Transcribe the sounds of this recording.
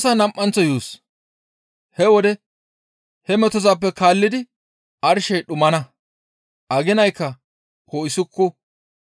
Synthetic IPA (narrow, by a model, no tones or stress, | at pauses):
sanɐmʔːɐnt͡sːɔjuːs | hɛwɔd̪ɛ | hɛmɛt̪ɔzaːp̬ːɛkaːlːɪd̪ɪ | ʔɐɾʃɛjɗʊmɐnɐ | ʔɐɡɪnɐjkːɐ | koːɪsʊkːɔ